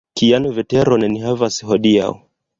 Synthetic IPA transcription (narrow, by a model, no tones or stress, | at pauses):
kijanuvɛtɛɾɔnɛniɦavasi̥ɦɔɗia̰u